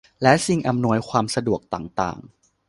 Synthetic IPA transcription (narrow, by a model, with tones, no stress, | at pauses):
lɛ˦˥ʔsi˧˩ŋʔa˧mnu˧əjkʰwaː˧msa˧du˨˩ək̚t̪aː˨˩ŋt̪a̰ː˨˩ŋ